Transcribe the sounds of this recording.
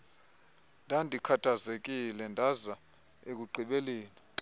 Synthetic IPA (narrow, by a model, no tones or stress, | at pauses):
ndʱandʱikʰatʰʼazek̬ʼilɛndʱaza | ek̬ʼuǃʱiɓeliːna